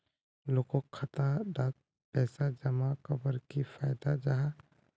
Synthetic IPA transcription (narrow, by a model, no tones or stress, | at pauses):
loːkokʰət̪aɖaːk̚ | pɛːsad͡ʒəmakəbəɾkifʰaːjd̪ad͡ʒaɦa